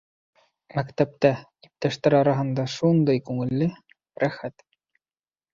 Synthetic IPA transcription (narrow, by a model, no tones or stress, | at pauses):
mækt̪æp̚t̪æ | ip̚t̪æʃt̪æɾɑɾɑɦɤ̆nd̪ɑʃund̪ɤjkʉŋɘ̆lːɘ | ɾæxæt̪